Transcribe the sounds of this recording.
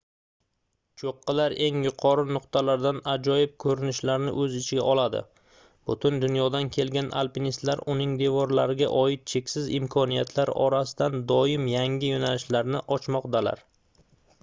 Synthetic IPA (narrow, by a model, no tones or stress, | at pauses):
t͡ʃʰoqʰːɨlaɾe̞ŋjʊqʰɒɾɪnʊqt̪ʰalaɾd̪anad͡ʒɒjɪp̚kʰɵɾɪnɪʃlaɾnɪ̰ʔɵzɪt͡ʃʰɪɡʲaʔɒlˠad̪ɪ̰ | b̥ʊt̪ʰɪnd̪ʊnjɒd̪ankʲʰe̞lɡʲanʔa̰lˠpinist̪laɾʊnɪŋd̪e̞vɒɾlaɾɪɡʲa̰ʔɒɪt̪̚t͡ʃʰe̞kʲsɪzɪmkʰɒnijat̪ʰlaɾɒ̰ɾasɪ̥d̪and̪ɒɪmjaŋʲɪjonalɪʃlaɾnɪʔɒt͡ʃʰmɒqd̪ala̰ɾ